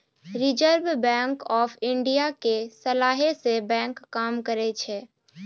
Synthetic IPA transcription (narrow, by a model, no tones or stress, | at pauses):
ɾɪd͡ʒəɾbbɛ̃ːŋkɔːpʰɪ̃ɳɖijakesəlaːɦesebɛ̃ːŋkːaːmkəɾet͡ʃʰeː